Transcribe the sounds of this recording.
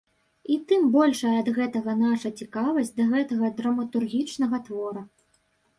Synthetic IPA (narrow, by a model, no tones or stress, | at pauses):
it̪ɨmbɔlʲʂɐjɐɐd̪ɣɛt̪ɐɣɐnaʂɐt͡sʲikavɐsʲd͡zʲd̪ɐɣɛt̪ɐɣɐd̪ɾɐmɐt̪urɣʲit͡ʂnɐɣɐt̪vɔɾɐ